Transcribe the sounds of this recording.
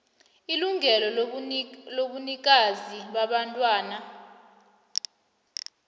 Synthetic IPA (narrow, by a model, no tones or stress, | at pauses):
iluŋɛlɔ | loɓunik̬ʼaziɓaɓantʼwaːna